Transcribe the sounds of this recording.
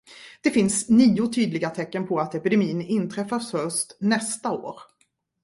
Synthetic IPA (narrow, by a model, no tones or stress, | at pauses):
d̪̥ɛfɪnsniːʊt̪ʰyːd̪lɪɡat̪ʰɛkːənpʰɔat̪ɛpɪd̪ɛmiːnɪnːt̪ʰɾɛfːashœʂtnɛst̪ao̰ːɾ